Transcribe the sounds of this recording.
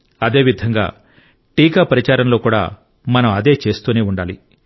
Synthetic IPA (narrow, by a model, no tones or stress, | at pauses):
ɐd̪e̞ːʋid̪ʱɐŋɡa̰ː | ʈiːkaːpɐɾit͡ʃaːɾɐmlo̞ːkuːɽa̰ː | mɐnɐmɐd̪e̞ːt͡ʃe̞ːst̪uːneːuɳɖaːli